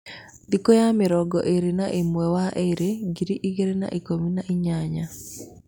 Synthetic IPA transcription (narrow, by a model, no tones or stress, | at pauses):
d̪ikojamɪɾɔɡɔ̰ʔeɾenaʔɪmwɛwaʔeɾeɡiɾiʔiɡeɾena̰ʔikominaʔɪɲaɲa